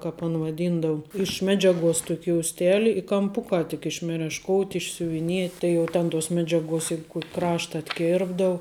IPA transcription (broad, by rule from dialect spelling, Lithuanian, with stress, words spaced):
ˈkɑːp ɐn ʋɐˈdʲiːndɐʊ ɪʃ ˈmʲæːd͡ʒʲɛˌɡuɔs ˈtuɔkʲ joːʊsʲˈtʲæːlʲɪ ɪ kɐmˈpʊkɑː tʲɪk ɪʃ mʲɛrʲɛʃˈkoːʊtʲ ɪʃʲsʲʊʋʲɪˈnʲiɛtʲ ˈtɐɪ jɛʊ ˈtʲɛn tuɔs ˈmʲæːd͡ʒʲɛˌɡuɔs ˈjɛɪk ˈkuɔkʲ ˈkrɑːʃtɐ ɐtʲˈkʲɛrbdɐʊ